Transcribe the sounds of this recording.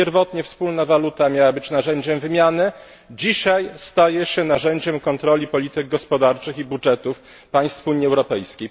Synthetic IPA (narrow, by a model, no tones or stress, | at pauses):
ɛɾvɔt̪ɲɛfspulnavalut̪amʲjawabɘt͡ɕnaʐɛɲd͡ʑɛmvɘmʲjanɘ | d͡ʑiɕajst̪ajɛɕɛnaʐɛɲd͡ʑɛmkɔnt̪ɾɔlʲipɔlʲit̪ɘɡ̚ɡɔspɔd̪aɾt͡ʂɘxibudʐɛt̪uf | paj̃st̪fuɲːiɛwɾɔpɛjskʲej